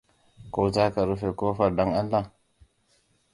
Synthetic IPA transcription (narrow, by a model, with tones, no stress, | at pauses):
ko˦ta˦ka˨ɾu˦fe˨ko˦fa˨ɾda˦ŋa˦nla˦˨